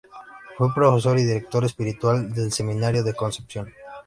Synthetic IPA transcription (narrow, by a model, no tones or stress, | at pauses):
fwepɾo̞fe̞s̬o̞ɾiðiɾek̚t̪o̞ɾespiɾit̪wald̪e̞lse̞mĩnaɾjo̞ðe̞ko̞nsepsjo̞n